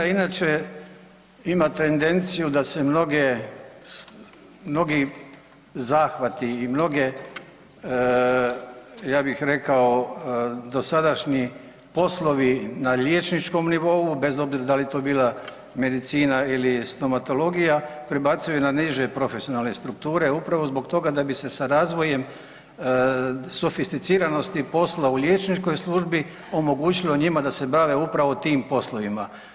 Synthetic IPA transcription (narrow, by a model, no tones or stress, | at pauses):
ainat͡ʃe̞ | imat̪e̞nd̪e̞nt̪sijud̪ase̞mno̞ɡe | mno̞ɡi | zaːxʋat̪iːmno̞ɡe̞ | jaːbixɾe̞kao̞ | d̪o̞sad̪aʃɲi | po̞slˠo̞ʋinaʎjeːt͡ʃnit͡ʃko̞mniʋo̞ube̞zo̞bziɾad̪alit̪o̞ːbiːlˠa | me̞d̪it̪siːnailist̪o̞mat̪o̞lo̞ɡijapɾebat̪sajunaniʒe̞pɾo̞fe̞sio̞nalˠne̞st̪ɾuk̚t̪uːɾe̞upɾaʋo̞zbo̞kt̪o̞ɡad̪abise̞saɾaːzʋo̞je̞m | sofist̪it̪siːɾano̞st̪ipo̞slaulʲje̞ːt͡ʃnit͡ʃko̞jslˠuʒbi | o̞mo̞ɡuːt͡ʃilo̞ɲimad̪ase̞baʋe̞upɾaʋo̞t̪iːmpo̞slˠo̞ʋima